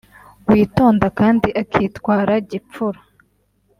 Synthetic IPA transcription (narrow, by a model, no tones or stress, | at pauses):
wiːto̞ːndakaːndiʔakʰiːtwaːɾaɟip͡fuɾa